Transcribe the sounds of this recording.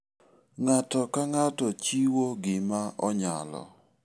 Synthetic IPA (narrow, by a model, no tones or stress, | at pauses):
ŋatɔkaŋatɔt͡ʃiwoɡɪmaʔɔɲa̰lɔ̰